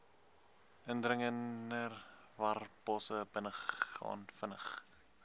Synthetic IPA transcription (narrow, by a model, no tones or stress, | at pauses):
əndrəŋənər | vɐrbɑsəbənəχɑ̰ːnfənəχ